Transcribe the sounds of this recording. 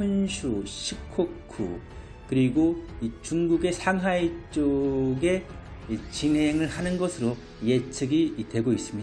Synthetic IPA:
ʌnɕʰuɕʰikʰokʰṵ | kɯɾiɡoit͡ɕuŋɡuɡe̞sʰaŋɦait͡ɕ͈oɡe̞it͡ɕiŋɦe̞ŋɯɭhanɯnɡʌsʰɯɾo | je̞t͡ɕʰɯɡitwe̞ɡois͈ɯmɲida

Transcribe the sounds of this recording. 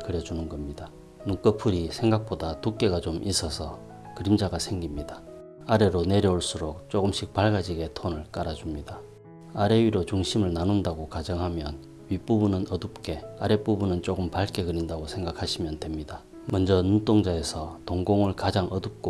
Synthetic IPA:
kɯɾjʌd͡ʑunɯnɡʌmɲida | nuk͈ʌpʰɯɾisʰe̞ŋɡak̚p͈odatuk͈̚e̞ɡat͡ɕomʔis͈ʰʌsʰʌ | kɯɾimd͡ʑaɡasʰe̞ŋɡimɲida | aɾe̞ɾone̞ɾjʌuɭs͈uɾok̚t͡ɕ͈oɡɯmɕ͈ʰik̚paɭɡad͡ʑiɡe̞tʰonɯɭk͈aɾad͡ʑumɲida | aɾe̞ɥiɾot͡ɕuŋɕʰimɯɭnanundaɡokad͡ʑʌŋɦamjʌn | ɥip͈ubunɯnʌdɯp̚k͈e̞aɾe̞p͈ubunɯnt͡ɕ͈oɡɯmpaɭk͈e̞ɡɯɾindaɡosʰe̞ŋɡakʰaɕʰimjʌnde̞mɲida | mʌnd͡ʑʌnunt͈oŋd͡ʑae̞sʰʌtoŋɡoŋɯɭkad͡ʑaŋʌdɯp̚k͈o

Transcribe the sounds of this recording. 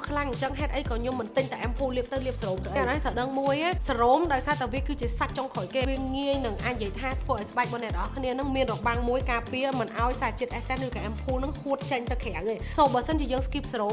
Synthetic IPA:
kʰlaŋɲt͡ɕəŋɦaɛt̪ʔəjkɑːɲŏmːɨnt̪ɨɲt̪aʔɛmpʰuːliəp̚t̪ɨwliəp̚sroːmt̪əʔɾɑniht̪ʰəwɗəŋmuəjaːsaroːmɗaɔjsaːt̪aʋiəkɨːt͡ɕiəsat̪̚t͡ɕoŋkʰojkeːiəŋiəjnɨŋʔaːc̚njiəjt̪ʰaːt̪ʰʋəːʔaɔjsəɓaɛk̚ɓɑnɛʔt̪əʔɑkʰniənɨŋmiənrɔʔɓaŋmuəjkaːpiəmɨnʔaɔjsaːt͡ɕiət̪ʔɛsɛnrɨːkaʔɛmpʰuːlnɨŋhuət̪̚t͡ɕəɲt̪ɨwkʰɛawʔeːsoːmɓəːsənt͡ɕiəjəːŋskiːp̚sroːm

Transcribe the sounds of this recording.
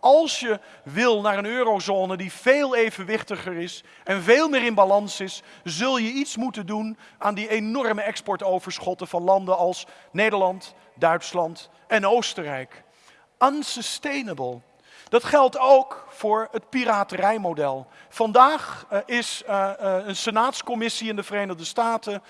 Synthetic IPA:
ɑlˠsjə | ʋɪlˠnaːɹənøːɾowzoːnədiveːlˠejvənʋɪχtəχəɹɪs | ɛnveːlˠmɪːɾɪnbalɑnsɪs | zɵlˠjəitsmutəndunaːndienɔrməɛkspɔɹtowvəɹsχɔtəvɑnlɑndəɑlˠs | nejdəɹlɑnt | dœɥtslɑnt | ɛnowstərɛjk | ənsəstejnəbəlˠ | d̥ɑtχɛlˠtowkfʊːɹətpiraːtərɛjmowdɛlˠfɑndaːχɪs | ənsənaːtskɔmɪsiɪndəvərejnəχdəstaːtə

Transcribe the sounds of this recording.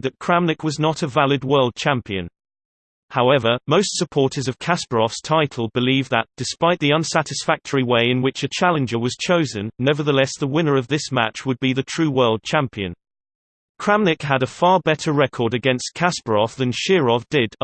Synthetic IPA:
ðɨt̚kʰɹ̥æ̃mnɪkwɒznəɾəvalɪd̚wɜ˞lˠd̚t͡ʃʰæ̃mpiɨ̰̃n | haʊɛvəmoʊstsəpʰɔɹɾəzʌv̥kʰaspəɹɔfstʰaɪtʰˡl̩ˠbɪlivðə̰td̥ɪspaɪʔ̪̚ðiʌ̃nsaɾɨsfæk̚tʰəɹiweɪɪ̃nwɪt͡ʃɨt͡ʃʰalˠɨ̃nd͡ʒə˞wʌz̥t͡ʃʰoʊzə̃nːɛvə˞ðəlɛsðəwɪ̃nə˞ʌvðɪsma̰t͡ʃwəd̚biðɨtʰɹ̥ʉːwɜ˞lˠd̚t͡ʃʰæ̃mpiɨ̰̃n | kʰɹ̥æ̃mlɪkɦəɾəfɑːbɛɾəɹɛkʰɔːɾɨɡɛ̃nskʰaspəɹɔfðɨ̃nʃɪɹɔfd̥ɪd

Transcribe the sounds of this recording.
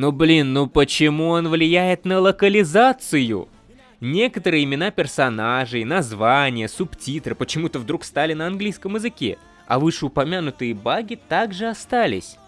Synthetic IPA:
noblʲinːopət͡ɕɪmuonvlʲɪjæjɪt̪nəlˠəkəlʲɪzat̪sɨjʊ̰ | nʲe̞kət̪əɾɨjɪmʲɪnapʲɪrsɐnaʐɨjnɐzvanʲɪjəsʊptʲit̪ɾɨpət͡ɕɪmut̪əvd̪ɾukst̪alʲɪnəɐnɡlʲijskəmɪzɨkʲḛ | ɐ̰vɨʂɨʊpɐmʲanʊt̪ɨjəbaɡʲɪt̪aɡʐɨɐst̪alʲɪ̰sʲ

